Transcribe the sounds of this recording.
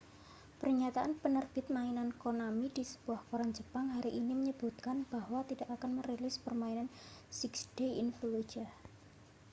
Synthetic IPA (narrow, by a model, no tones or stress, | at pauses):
pərɲat̪aʔanpənərb̥ɪt̪̚mainankonamidisə̥b̥uahkoɾand͡ʒəpaŋɦaɾiʔiniməɲəb̥ut̪̚kanb̥ahwat̪id̥akakanmərelɪspərmainansiksd̥eḭnfluwed͡ʒa